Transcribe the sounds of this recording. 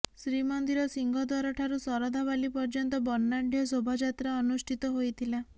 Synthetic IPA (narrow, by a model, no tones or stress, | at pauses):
sɾimɔnd̪iɾɔsiŋɡʱɔd̪waɾɔʈʰaɾusɔɾɔd̪abalipɔɾd͡ʒɔnt̪ɔbɔnːaɖʱjɔsobʱad͡ʒat̪ɾaɔnusʈʰit̪ɔɦojt̪ʰila